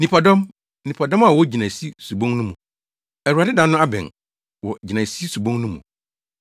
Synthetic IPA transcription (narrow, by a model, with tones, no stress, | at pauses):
nĩ˨pʰɔ˨dɔ̃˦m | nĩ˨pʰɔ˨dɔ̃˦ma˨wɔ˦d͡ʑi˨nã˨si˦su˨bõ˦ŋnũ˦mũ˨ | ɛ˨wu˨a˨dɪ˦dã˦nːʊ̃˦a˦bɛ̰̃˨ | wɔ˨d͡ʑi˨nã˨si˦su˨bõ˦ŋnũ˦mṵ̃˨